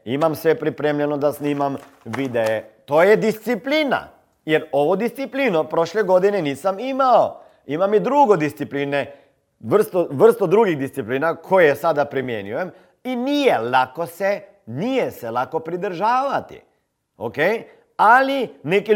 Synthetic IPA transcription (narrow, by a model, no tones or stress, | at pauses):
imamsʋepɾipɾemʎenod̪asniːmam | ʋid̪eet̪oːjed̪ist̪sipliːna̰ | jeɾoʋod̪ist̪sipliːnopɾoʃleɡod̪ineniːsamimao | imamid̪ɾuɡod̪ist̪sipliːne | ʋr̩st̪oʋr̩st̪od̪ɾuɡiɣd̪ist̪sipliːnakʰojesad̪apɾimjenujem | iniːjelakose | nijeselakopɾid̪r̩ʒaːʋat̪ḭ | o̰kej | alineki